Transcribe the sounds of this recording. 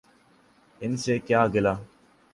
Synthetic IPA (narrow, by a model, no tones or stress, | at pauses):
ɪnseːkjaːɡɪlaː